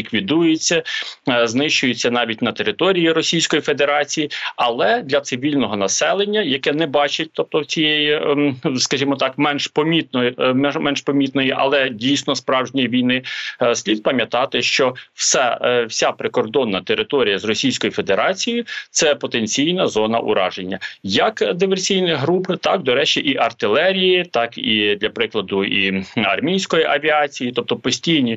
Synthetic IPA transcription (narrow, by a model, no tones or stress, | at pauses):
lʲikʋʲid̪ujet͡sʲːɐznɪʃt͡ʃʊjʊt͡sʲːɐnɑʋʲitʲnɐt̪eɾɪt̪ɔɾʲijiɾɔsʲijsʲkɔjifed̪eɾɑt͡sʲijiɐlˠɛd̪lʲɐt̪sɪʋʲilʲnɔɦɔnɐsɛlˠenʲːɐjɐkɛnɛbɑt͡ʃɪt̚ʲt̪ɔp̚t̪ɔwt͡sʲijɛjiskɐʒimɔt̪ɑkmɛnʃpɔmʲit̪̚nɔjmɛmɛnʃpɔmʲit̪nɔjiʔɐ̰lˠɛdʲijsʲnɔspɾɑwʒnʲijiʋʲijnɪsʲlʲid̪̚pɐmʲjɐt̪ɑt̪ɪʃt͡ʃɔw̥sɛwsʲapɾɪkɔrd̪ɔnːɐt̪eɾɪt̪ɔɾʲijɐzrɔsʲijsʲkɔjʊfed̪eɾɑt͡sʲijʊt̪sɛpɔt̪enʲt͡sʲijnɐzɔnɐ̰ʔʊ̰ɾɑ̰ʒenʲːɐjɐkd̪ɪʋersʲijnɪɦɾupɪt̪ɑkd̪ɔɾɛt͡ʃiʔiʔɐrt̪ɪlˠɛɾʲijit̪ɑkid̪lʲɐpɾɪklˠɐd̪ʊiɐrmʲijsʲkɔjiʔɐʋʲiɑt͡sʲijit̪ɔp̚t̪ɔpɔsʲtʲijnʲi